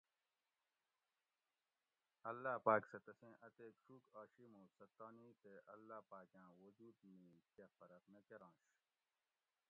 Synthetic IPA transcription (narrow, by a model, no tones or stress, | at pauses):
ɐlːaːpaːksɐt̪ɐsẽːʔɐt̪eːʈ͡ʂʰuːkaːɕimõːsɐt̪ːaːniːt̪eʔɐlːaːpaːkjãːwozuːd̪mĩːkefɐɾɐkmẽkeɾãːɕ